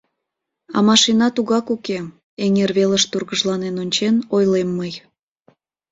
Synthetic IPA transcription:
ɑ̰mɑʃinɑt̪uɣɑkuke | eŋerβeləʃt̪urɣəʒlɑnenonʲt͡ɕenojlemːəj

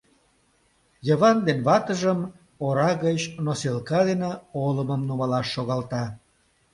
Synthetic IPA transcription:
jəβɑnd̪enβɑt̪əʒəm | oɾɑɣət͡ɕnoselkɑd̪eneoləməmnumɑlɑʃːoɣɑlt̪ɑ

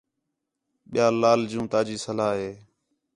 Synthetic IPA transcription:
ɓɪjaːlaːld͡ʒũːt̪aːd͡ʒiːsəlaːɦeː

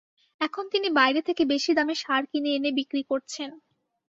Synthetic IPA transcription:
ɛkʰont̪inibajɾet̪ʰekebeʃid̪ameʃaɾkineenebikɾikoɾt͡ɕʰen

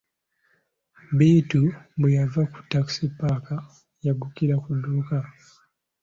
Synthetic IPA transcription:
bitubujavaku̥taksipaka | jaɡukilakuduka

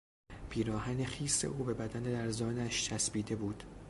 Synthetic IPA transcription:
pʰiːɾɒːhæne̞xiːsːe̞̰ʔuːbe̞bæd̪æned̪æɾzɒːnæʃt͡ʃʰæsbiːd̪e̞buːd̪̥

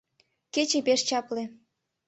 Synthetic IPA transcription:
ket͡ɕepeʃt͡ɕɑplĕ

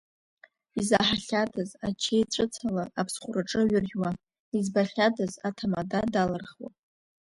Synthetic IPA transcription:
izaħaɬʲadazat͡ʃʰejʈ͡ʂʷʼɨt͡sʰalaapʰsχʷʊraʈ͡ʂʼɨɥʏrʲwa | izbaχʲadazatʰamadadalarχwa̰

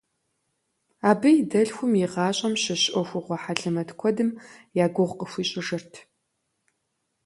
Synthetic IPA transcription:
aːbɨjidɐɮxʷʊmjɪʁɑːɕʼɐmɕɪɕʔʼɔxʷʊʁʷɔħaɮɨmɐtʰkʷʰɔdɨmjaːɡʷʊʁʷqəxʷiːɕʼɪʒɐrtʰ

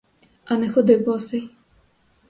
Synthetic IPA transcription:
ɐnɛxɔd̪ɪwbɔsɛj

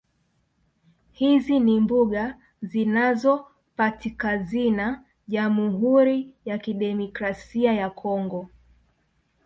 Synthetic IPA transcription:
hizinimbuɠa | zinazɔ | patikazina | ʄamuɦuɾijakiɗɛmɔkɾasiajakʰɔŋɡɔ

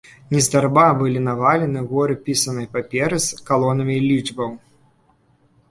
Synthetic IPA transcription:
nʲɛzd̪arbabɨlʲinavalʲɛnɨɣɔɾɨpʲisɐnɐjpapʲɛɾɨskalˠɔnɐmʲilʲid͡ʐbɐw

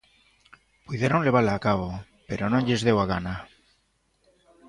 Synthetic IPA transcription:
puðeɾonle̞βalaːkaβo | pe̞ɾonoʎe̞zðe̞waɣana

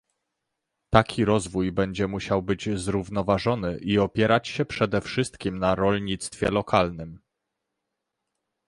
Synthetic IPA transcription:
t̪akʲʰiɾɔzvujbɛɲd͡ʑɛmuɕawbɘd͡ʑzɾuvnɔvaʐɔnɘʔiɔpʲjɛɾat͡ɕɕɛpʂɛd̪ɛfʂɘst̪kʲimnaɾɔlʲɲit̪st̪fʲjɛ̰lɔkalnɘm

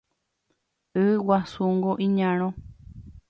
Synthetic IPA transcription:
ɨwasuŋɡoʔĩɲãɾ̃õ

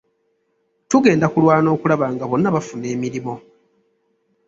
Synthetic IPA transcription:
tuɡe̞ːndakulwaːno̞ːkulaβaːŋɡaβo̞nːaβafune̞ːmiɾimo̞

